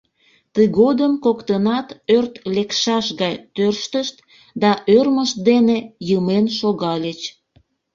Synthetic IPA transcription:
t̪əjɣod̪əmkokt̪ənɑt̪ørt̪lekʃɑʃɣɑjt̪ørʃt̪əʃt̪ | d̪ɑʔørməʃt̪̚d̪enejəmenʃoɣɑlʲet͡ɕ

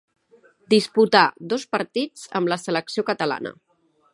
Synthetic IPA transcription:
d̪isput̪ad̪ospəɾt̪id͡zə̰mləsələksiokət̪əla̰nə̰

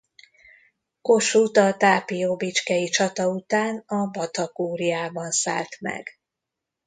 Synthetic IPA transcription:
ko̞ʃuːt̪ɒt̪aːpijoːbit͡ʃkɛjit͡ʃɒt̪ɒut̪aːnɒbɒt̪ɒkuːɾijaːbɒnsa̰ːlt̪mɛ̰ɡ̥

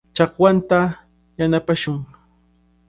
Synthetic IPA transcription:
t͡ʃɑkwant̪a | janapaʃʊŋ

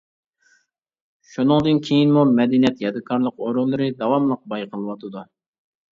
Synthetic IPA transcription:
ʃunɨŋd̪ɨnkʲʰejinmumɛd̪ɪnijɛt̪jɑd̪ɨkʰɑɾlˠəqoɾʊnlˠɨɾɨd̪ɑwɑmlˠəq̚bɑjqʰəlˠɨwɑt̪ʰɨd̪u

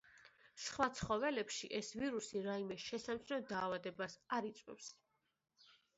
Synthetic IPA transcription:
sχwat̪sʰχɔvɛlɛpʃḭʔɛsviɾusiɾaimɛʃɛsamt̪sʰnɔd̪aːvad̪ɛbasaɾit̪sʼwɛ̰fs

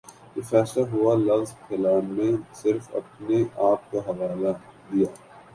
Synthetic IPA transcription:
efɛːslaɦʊalɐʋzkʰɛlaːnmẽsɪɾfɐ̰pneʔaːp̚kaɦɐʋaːlad̪ijaː

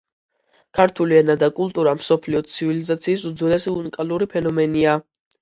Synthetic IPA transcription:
kʰaɾt̪ʰuliɛnad̪akʼulˠt̪ʼuɾamsɔpʰliɔt̪sʰivilizat̪sʰiːs̬ud̪zɔlɛsiunikʼaluɾipʰɛnɔmɛnia

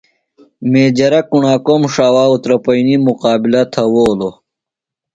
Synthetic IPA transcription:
meːd͡ʑɐɾɐkuɳaːkomʂaːwaːut̪ɾɐpɐinimuqaːbilɐt̪ʰɐwoːlo

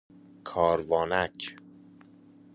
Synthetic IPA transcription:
kʰɒːɾvɒːnæcʰ

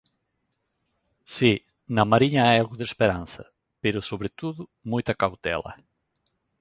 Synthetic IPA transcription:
si | nɐmaɾiɲɐajalɣʊðespeɾanθɐ̰ | peɾʊsoβɾet̪uðʊmujt̪ɐkawt̪ɛ̰lɐ̰

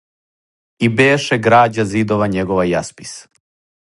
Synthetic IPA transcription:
ibeːʃɛɡɾaːd͡ʑazid̪oʋaɲeɡoʋajaspi̥s

